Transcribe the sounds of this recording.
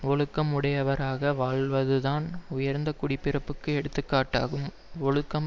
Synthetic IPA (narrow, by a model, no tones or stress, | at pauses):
ɔɭɯkːɐmʊɽɐjɐʋɐɾaːɣɐʋaːɭʋɐðɯðaːnʊjɐɾnd̪ɐkːʊɽɪpːɪrɐpːɯkːɯɛɽɯt̪ːɯkːaːʈːa̰ːɣɯm | ɔɭɯkːɐm